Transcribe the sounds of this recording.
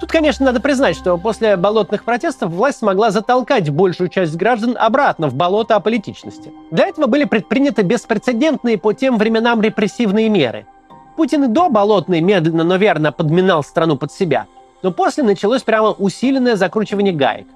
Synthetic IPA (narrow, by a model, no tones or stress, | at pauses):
t̪ut̪kɐnʲeʂnənad̪əpɾʲɪznatʲʂt̪o̞po̞sʲlʲɪbɐlˠo̞t̪nɨxpɾɐtʲe̞st̪əfvlˠasʲtʲsmɐɡlˠazət̪ɐlˠkatʲbo̞lʲʂʊjʊt͡ɕæsʲtʲɡɾaʐd̪ənɐ̰bɾat̪nəvbɐlˠo̞t̪əɐpəlʲɪtʲit͡ɕnəsʲtʲɪ̥d̪lʲɐɛt̪əvəbɨlʲɪpɾʲɪt̪̚pɾʲinʲɪt̪ɨbʲɪspɾʲɪt̪sɨdʲe̞nt̪nɨjəpotʲe̞mvɾʲɪmʲɪnamɾʲɪpɾʲɪsʲːivnɨjəmʲe̞̰ɾɨ̰ | putʲɪnɪd̪o̞bɐlˠo̞t̪nɨjmʲe̞d̪lʲɪnːəno̞vʲe̞rnəpəd̪mʲɪnalˠst̪ɾɐnupət̪sʲɪbʲa̰ | no̞po̞sʲlʲɪnət͡ɕɪlˠosʲpɾʲaməʔʊsʲilʲɪnːəjəzɐkɾut͡ɕɪvənʲɪjəɡa̰jɪ̰